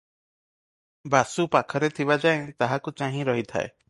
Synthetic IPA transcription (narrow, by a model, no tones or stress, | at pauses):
basupakʰɔɾet̪ʰibad͡ʒaeŋt̪aɦakut͡ʃãɦĩɾɔɦit̪ʰa̰ḛ